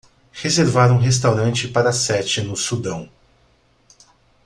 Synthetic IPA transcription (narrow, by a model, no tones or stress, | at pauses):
hezeɾvaɾũɦes̬t̪awɾɐ̃nt͡ʃɪpaɾɐsɛt͡ʃɪnʊsud̪ɐ̃w̃